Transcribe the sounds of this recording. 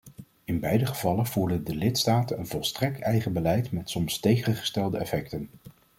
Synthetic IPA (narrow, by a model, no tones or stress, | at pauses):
ɪnbɛjdəχəvɑlənv̥uːɹdəndəlɪtstaːtənənvɔlˠstrɛk̚tɛjχəbəlɛjtmɛtsɔmstejχənχə̥stɛlˠdəɛfɛk̚tən